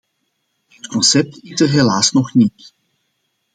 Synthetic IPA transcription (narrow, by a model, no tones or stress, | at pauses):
ɦətkɔnsɛp̚titərɦelaːsnɔχnit